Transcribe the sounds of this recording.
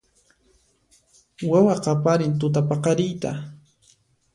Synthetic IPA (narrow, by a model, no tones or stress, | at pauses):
wawaqɑpaɾɪnt̪ʊt̪̬apɑqɑɾɪjt̪a̰